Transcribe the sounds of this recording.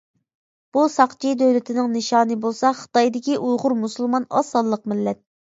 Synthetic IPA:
b̥usɑqt͡ʃʰid̪øwlɪt̪ʰɪnɪŋnɨʃɑːnɨbolˠsɑχə̥t̪ɑjd̪ɪkʲiʔujʁʊɾmusɨlˠmɑnɑ̰sɑlˠːəq̚mɪlːɛt̪̚

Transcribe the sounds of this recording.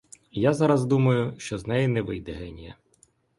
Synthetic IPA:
jazɑɾɐzd̪umɐjʊʃt͡ʃɔznɛjɪnɛʋɪjd̪ɛɦɛnʲijɐ̰

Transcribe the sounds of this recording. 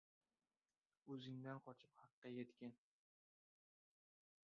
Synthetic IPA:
ɵzɪŋd̪anqʰɒt͡ʃʰɪp̚hɑqːɑjet̪kʲan

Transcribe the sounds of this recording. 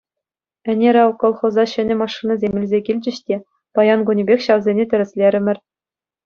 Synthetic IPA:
ɘ̆nʲeɾʲɑʋkŏlˠχŏzɑɕɘ̆nʲɘ̆mɑʂːɯnɤ̆zʲemʲilʲzʲekʲilʲd͡ʑɘ̆ɕtʲe | pɑjɑnɡunʲibʲexʲɕɑʋzʲenʲetʲɘ̆ɾʲɘ̆sʲlʲeɾʲɘ̆mʲɘ̆rʲ

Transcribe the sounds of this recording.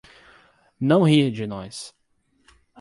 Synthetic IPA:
nɐ̃w̃hid͡ʒɪnɔjs

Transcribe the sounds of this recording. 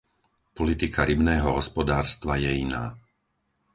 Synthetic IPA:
pɔlit̪ikʰaɾibnɛːɦɔɦɔspɔd̪aːɾst̪ʋajɛina̰ː

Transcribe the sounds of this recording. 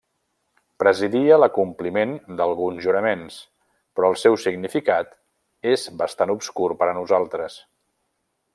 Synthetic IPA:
pɾəziðiələkumplimend̪əlˠɣunzʒuɾəmens | pɾɔəlˠsɛwsiɡnifikat̪ | ezbəst̪anupskuɾpəɾənuzalˠt̪ɾəs

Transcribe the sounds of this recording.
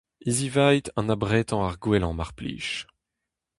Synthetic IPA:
izivajt̪ɑ̃nabʁɛːt̪ɑ̃aʁɡwɛlɑ̃maʁplḭːʃ

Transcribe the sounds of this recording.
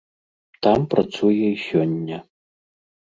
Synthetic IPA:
t̪ampɾat̪sujɛisʲɔnʲːɐ

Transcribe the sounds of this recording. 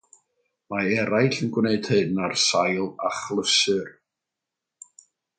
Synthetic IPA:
maɛɾajɬənɡwneɨd̥hɨdnarsajlˠaχlˠəsʏr

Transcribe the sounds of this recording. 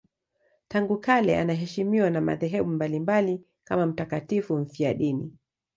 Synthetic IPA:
taŋɡukalɛanaɦɛʃimiwanama̰ðɛɦɛɓumbalimbali | kamam̩takatifuɱ̩fiaɗinḭ

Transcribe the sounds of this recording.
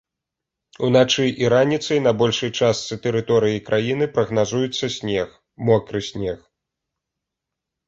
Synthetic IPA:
unat͡ʂɨʔiɾanʲit̪sɐjnɐbɔlʲʂɐjt͡ʂast̪sɨt̪ɛɾɨt̪ɔɾɨjikɾʔajinɨpɾɐɣnazujɛt̪sːɐsʲnʲɛx | mɔkɾɨsʲnʲɛx

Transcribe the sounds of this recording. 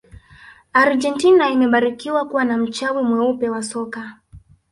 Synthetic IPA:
aɾd͡ʒɛntinaimɛɓaɾikiwakuwanam̩t͡ʃavumwɛupɛwasɔka

